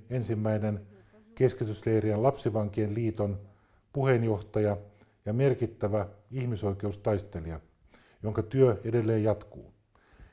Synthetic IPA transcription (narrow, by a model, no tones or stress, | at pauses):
ensimːæinen | keskit̪yslejriænlɑpsiʋɑŋkienliːt̪on | puhenjo̞ht̪ɑjɑ | jɑme̞rkit̪ːæʋæihmiso̞ikeust̪ɑist̪e̞liɑ | joŋkɑt̪yøede̞lːeːjjɑt̪kṵː